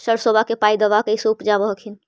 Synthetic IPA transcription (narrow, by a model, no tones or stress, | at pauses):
səɽsobʱakepaid̪əʋakəisoupd͡ʒabəɦkʰin